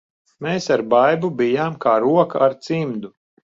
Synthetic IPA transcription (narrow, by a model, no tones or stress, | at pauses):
meːsaɾbajbubijaːmkaːɾuɔkaaɾt̪simd̪u